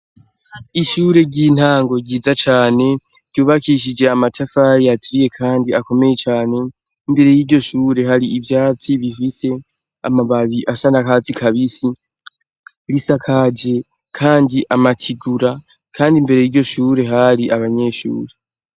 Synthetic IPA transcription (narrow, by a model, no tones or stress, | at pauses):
iʃuːɾe̞ɟin̥haːŋɡo̞ɟiːzat͡ʃaːne̞̥ | ɟuːβakʰiʃ̬id͡ʒe̞amatʰafaɾiatʰuɾije̞kʰaːndiako̞me̞je̞t͡ʃaːne̞ | imbe̞ɾe̞jiːɾɟo̞ʃuːɾe̞ɦaɾiivjaːt͡siβifise̞ | a̰maβaβiʔasanakaːt͡sikʰaβisi | ɾisakʰad͡ʒe̞ | kʰaːndiʔamatʰiɡuɾa | kʰaːndimbe̞ɾe̞jiːɾɟo̞ʃuːɾe̞ɦaɾiʔaβaɲe̞ːʃṵːɾe̞